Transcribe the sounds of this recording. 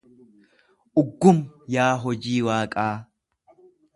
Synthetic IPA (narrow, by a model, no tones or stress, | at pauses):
ʔʊɡːʊmjaːɦɔd͡ʒiːwaːkʼaː